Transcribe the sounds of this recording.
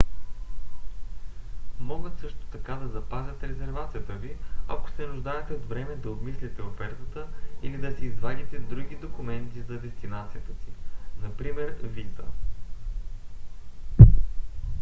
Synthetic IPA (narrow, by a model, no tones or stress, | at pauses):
mɔɡət̪sɤʃt̪o̥t̪ɐkad̪ɐzɐpazʲət̪ɾɛzɛɾvat̪sijət̪əviɐ̰ko̥sɛnuʒd̪ajɛt̪ɛod̪vɾɛmɛd̪ɐobmislʲit̪ɛofɛɾt̪ət̪əilid̪ɐsɛːzvanʲit̪ɛd̪ɾuɡʲid̪okumɛnt̪izɐd̪ɛst̪inat̪sijət̪əsinɐpɾimɛɾvisə̰